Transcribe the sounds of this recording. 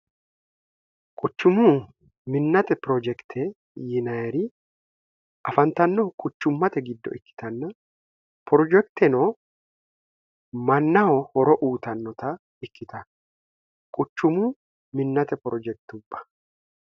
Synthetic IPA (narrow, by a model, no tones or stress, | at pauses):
kʼʊt͡ʃːʊmu | mɪnːɐt̪ɛpɾɔd͡ʒɛkt̪ʰɛ | jɪnɐjɛɾɪ | ʔɐfɐnt̪ɐnːɔkʼʊt͡ʃːʊmːɐt̪ɛɡɪd̪ːɔ̰ʔɪkːɪ̥t̪ɐnːɐ | pɾɔd͡ʒɛkt̪ɛnɔː | mɐnːɐwɔhɔɾɔʔuːt̪ɐnːɔt̪ɐ | ɪkːɪt̪ɐ | kʼʊt͡ʃːʊmu | mɪnːɐt̪ɛpɾɔd͡ʒɛk̚t̪ʊbːɐ̥